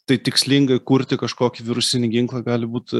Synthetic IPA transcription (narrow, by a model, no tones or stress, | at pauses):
t̪ɐɪt̪ʲɪksʲlʲɪŋɡɐɪkuɾʲt̪ʲɪkɐʃkoːkʲɪʋʲɪɾʊsʲɪnʲɪɡʲɪŋklˠɐɡɑːlʲɪbuːt̪